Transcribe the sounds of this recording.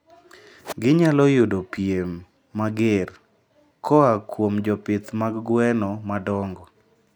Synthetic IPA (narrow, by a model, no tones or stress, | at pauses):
ɡɪɲalɔjodopiemː | aɡer | kʰɔakwomd͡ʒɔpɪt̪maɡɡwɛnɔmadɔŋɡɔ